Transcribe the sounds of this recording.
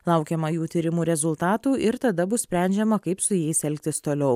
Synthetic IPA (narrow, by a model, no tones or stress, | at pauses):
lˠɐˑʊkʲɛmɐjuːt̪ʲiːɾʲɪmuːɾʲɛzʊlˠt̪ɑːt̪uːɪɾt̪ɐd̪ɐbʊssʲpʲɾʲæˑnʲd͡ʒʲɛmɐkɐɪpsʊjɛɪsɛlʲk̚t̪ʲɪst̪oːlʲɛʊ